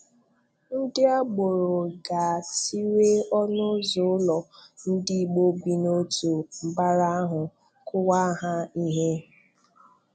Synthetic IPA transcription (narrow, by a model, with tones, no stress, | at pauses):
n̩˦dɪ˦a˦ɡ͡bo˨ɾo˨ɡa˨si˦ɾe˦ɔ˦nʊ˦zʊ˨˦lɔ˨n̩˦dɪ˦˨ɡ͡bo˦bi˦no˦tu˨m̩˨ba˦ɾa˦a˦ɦʊ˨ | kʊ˦wa˦ɦa˦i˦ɦe˦